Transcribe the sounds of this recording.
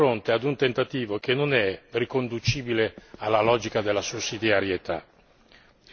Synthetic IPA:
ɾont̪ead̪unt̪ent̪at̪iːvok̟enːonɛrikond̪ut͡ʃiːbilealːalɔːd͡ʒikad̪elːasusːid̪jaɾjet̪a̰

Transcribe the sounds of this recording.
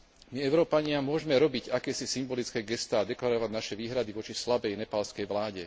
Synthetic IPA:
miɛʊɾɔːpaɲɪamʊɔʒɛmɛɾɔbiɟakɛːsisimbɔlit͡skɛːɡɛst̪aːd̪ɛklaɾɔʋaɟnaʃɛʋiːɦɾad̪iʋɔt͡ʃislabɛjnɛpalskɛjʋlaːɟɛ

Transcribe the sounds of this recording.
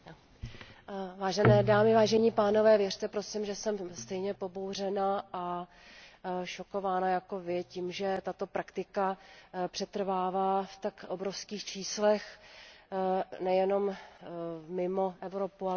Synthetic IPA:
vaːʒɛnɛːdaːmɪvaːʒɛɲipaːno̞vɛːvjɛr̥t̪ɛpɾo̞sɪmʒɛsɛmst̪ɛjɲɛpo̞bowr̝ɛnaʔa | ʃo̞ko̞vaːnajako̞vɪcimʒɛt̪at̪o̞pɾakt̪ɪkapr̥ɛt̪r̩vaːvaːft̪akʔobɾo̞fskiːxt͡ʃiːslɛx | nɛjɛno̞m | mɪmo̞ʔɛvɾopua

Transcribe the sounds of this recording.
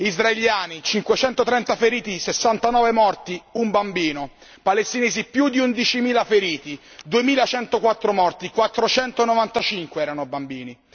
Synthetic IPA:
izraeljaːnit͡ʃiŋkwet͡ʃɛnt̪ot̪ɾɛnt̪afeɾiːt̪isesːant̪anɔːvemɔrt̪iumbambiːno | palest̪ineːzipjud̪iund̪it͡ʃimiːlafeɾiːt̪id̪uemiːlat͡ʃɛnt̪okwat̪ːɾomɔrt̪ikwat̪ːɾot͡ʃɛnt̪onovant̪at͡ʃiŋkweɛːɾanobambiːni

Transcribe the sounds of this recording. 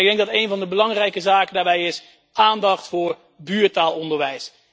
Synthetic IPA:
ɪɡ̚dɛŋɡ̚dɑtejnvɑndəbəlɑŋrɛjkəzaːkəndaːɹbɛjɪs | ʔaːndɑχtfʊːɹ | byːɹtaːlˠɔndəɹʋɛjs

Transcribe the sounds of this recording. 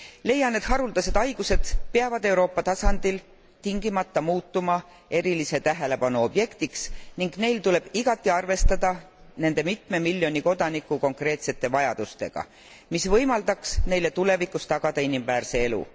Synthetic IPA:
le̞jːɑne̞d̪ɦɑɾuld̪ɑse̞d̪ɑjɡ̥use̞d̪̥peɑvɑd̪̥e̞wɾo̞ːpːɑt̪ɑsɑnd̪̥il | t̪iŋɡ̥imɑt̪ːɑmuːt̪ːˑumɑ | e̞ɾilise̞t̪æɦe̞le̞pɑnuo̞b̥je̞kt̪iksniŋɡne̞jlt̪ule̞b̥iɡ̥ɑt̪ˑːiɑrve̞st̪ɑd̪̥ɑ | ne̞nd̪̥e̞mit̪me̞milʲjo̞nʲiko̞d̪̥ɑnikːˑuko̞ŋkre̞ːt̪se̞t̪ːˑe̞vɑjɑd̪̥ust̪e̞̰ɡ̥ɑ̰ | misvɤjmɑld̪ɑksne̞jle̞t̪ule̞vikːˑust̪ɑɡ̥ɑd̪̥ɑinimvæːrse̞e̞lṵ

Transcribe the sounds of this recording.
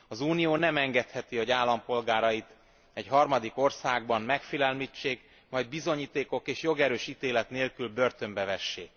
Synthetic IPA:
ɒzuːnijoːnɛmɛŋɡɛt̪hɛt̪ioɟaːlːɒmpo̞lɡaːɾɒjit̪ | ɛɟɦɒrmɒd̪iko̞rsaːɡbɒmmɛkfilɛlmit͡ʃːeːk | mɒjd̪̚bizo̞ɲiːt̪eːko̞keːʃjo̞ɡɛɾøːʃit̪eːlɛt̪neːlkylbø̞rt̪ø̞mbɛvɛʃːḛːk

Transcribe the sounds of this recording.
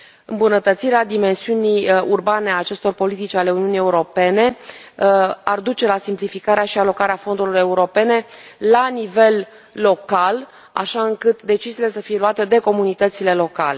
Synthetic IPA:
ɨmbunət̪ət̪siɾead̪ime̞nsiunijurbaneaːt͡ʃe̞st̪o̞rpo̞lit̪it͡ʃʲale̞uniunije̞uɾo̞pe̞ne̞ | ard̪ut͡ʃe̞lasimplifikaɾeaʃialo̞kaɾeafo̞nd̪ulore̞uɾo̞pe̞ne̞lanive̞lː | o̞kal | a̰ʃaɨŋkɨt̪d̪e̞t͡ʃiziːle̞səfije̞luat̪ed̪e̞ko̞munit̪ət̪sile̞lo̞kale̞

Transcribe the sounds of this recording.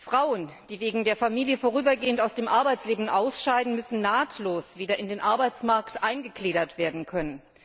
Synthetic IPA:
fʁ̥aʊən | d̥iːveːɡŋ̩deːɐfamiːljəfoːʁ̞yːbɐɡeːəntaʊsd̥eːmʔaɐbaɪt͡sleːbm̩ʔaʊsʃaɪdn̩mʏsn̩naːtʰloːsv̥iːdɐʔɪndeːnʔaɐbaɪt͡smaɐktʔaɪnɡəkleːɾɐtv̥eːɐdn̩kʰœnən

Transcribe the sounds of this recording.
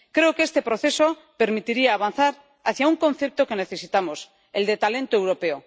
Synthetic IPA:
kɾe̞okeest̪e̞pɾo̞θe̞so̞ | pe̞ɾmit̪iɾiaːβ̞anθaɾ | aθjauŋkõ̞nθe̞p̚t̪oke̞ne̞θe̞sit̪amo̞s | e̞ld̪e̞t̪ale̞nt̪oewɾo̞pe̞o

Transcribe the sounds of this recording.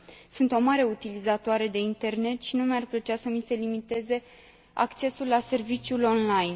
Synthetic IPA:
sunt̪o̞maɾe̞ut̪ilizat̪oaɾe̞d̪e̞int̪e̞rne̞t̪ʃinumajarplət͡ʃeasəmise̞limit̪e̞ze̞ | a̰kt͡ʃe̞sulːase̞rvit͡ʃjulo̞nlajn

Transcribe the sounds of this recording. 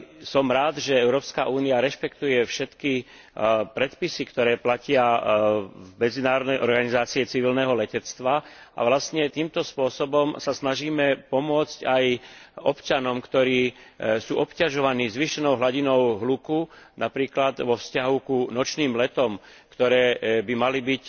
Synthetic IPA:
sɔmɾaːd̪ʒɛɛʊɾɔːpskaʔuːniaɾɛʃpɛkt̪ujɛfʃɛt̪ki | pɾɛt̪pisikt̪ɔɾɛːplacɪa | vmɛd͡zinaːɾɔd̪nɛjʔɔɾɡanizaːt͡siɛt͡siʋilnɛɦɔlɛcɛt͡st̪ʋaʔa̰ʋlast̪ɲɛt̪iːmt̪ɔspʊɔsɔbɔmsasnaʒiːmɛpɔmʊɔt͡scajɔpt͡ʃanɔmkt̪ɔɾiːsuːʔɔpcaʒɔʋaniːzʋiʃɛnɔʊɦlaɟinɔʊɦlukunapɾiːklad̪ʋɔfscaɦukunɔt͡ʃniːmlɛt̪ɔmkt̪ɔɾɛːbimalibic

